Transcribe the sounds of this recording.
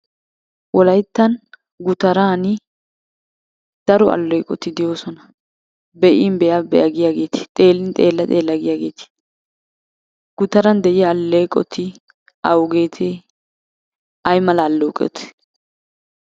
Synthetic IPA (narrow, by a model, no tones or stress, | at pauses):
wɔlɐjt̪ːɐn | ɡʊt̪ɐɾaːnɪ | d̪̥ɐɾɔɐ̰lːɔjkʼɔt̪ːɪd̪ɪjoːsɔnɐ | bɛʔɪnbɛjɐbɛjɐɡɪjaːɡe̞ːt̪ɪ̥t̪ʼe̞ːlːɪnt̪ʼe̞ːlːɐt̪ʼe̞ːlːɐɡɪjaːɡe̞ːt̪ɪ̥ | ɡ̥ʊt̪ɐɾɐnd̪ɛʔɪjɐːlːɔjkʼɔ̰t̪ʰːɪ | ɐwʊɡe̞ːt̪ʰeː | dʔɐjmɐlɐːlːɔːkʼɛ̰t̪ɛ̥